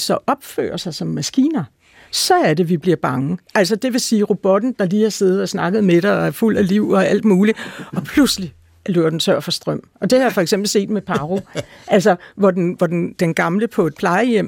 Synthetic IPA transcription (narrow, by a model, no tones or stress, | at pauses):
sɒ̽ʔɒ̽b̥fø̰ːɐsɑ̈ɪsɒ̽mːæsɡ̥ḭːnɐ | sɒ̽æɐd̥e̝ʋib̥liɐb̥ɑ̈ŋəʔæl̰sɒd̥e̝ʋe̝siːʁo̝b̥ɒ̽d̥n̩d̥ɑ̈liːhɑ̈se̝ð̩ˠɒ̽snɑ̈ɡ̥əð̞̩ˠmeɾ̥ɐɒ̽æɐful̰æliʊ̰ɒ̽æl̰d̥muːliɒ̽pʰlusli | løɐd̥ent͡sʰøɐ̰fɒ̽sd̥ʁɶm̰ɒ̽d̥e̝hɑ̈jfɒ̽eɡ̥semb̥l̩se̝̰ːd̥mepʰɑ̈ʁo̝ʔælsɒʋɒd̥enʋɒd̥end̥enɡ̥ɑ̈mləpʰɒ̽e̝d̥̚pʰlɑ̈ɪəjem̰